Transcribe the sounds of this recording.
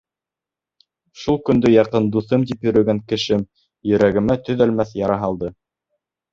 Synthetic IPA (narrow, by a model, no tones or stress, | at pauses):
ʃulˠkɵ̆nd̪ɵjɑqɤnd̪uθɤmt̪ipjɵ̆ɾɵ̆ɡæŋkɘ̆ʃɘm | jɵ̆ɾæɡɘ̆mæt̪ɵ̆ðælmæθjɑɾɑɦɑlˠd̪ɤ